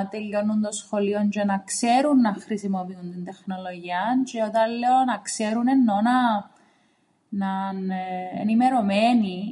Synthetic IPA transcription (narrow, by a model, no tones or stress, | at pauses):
t̪eʎːo̞nːunt̪osxo̞lio̞nt͡ʃenɐkse̞ɾunːɐxɾisimo̞piunt̪ind̪e̞xno̞lo̞ʝiɐnt͡ʃeot̪ɐlːeonɐkse̞ɾune̞nːo̞nɐ | nɐnḛnime̞ɾo̞meni